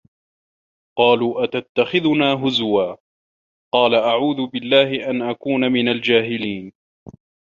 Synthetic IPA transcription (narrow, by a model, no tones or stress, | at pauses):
qɑːluːʔat̪at̪ːaxɪðʊnaːɦʊzwaː | qɑːlaʔaʕuːðʊbɪlːaːɦɪʔanʔakuːnamɪnald͡ʒaːɦɪliːn